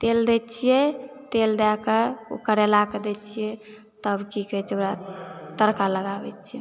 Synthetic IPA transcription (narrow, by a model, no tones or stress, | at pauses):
t̪eld̪ɛt͡ʃʰijɛt̪eld̪akeo̰kəɾelaked̪ɛt͡ʃʰijɛ | t̪əbkikɛt͡ʃʰoɾat̪əɾkaləɡabɛt͡ʃʰijɛ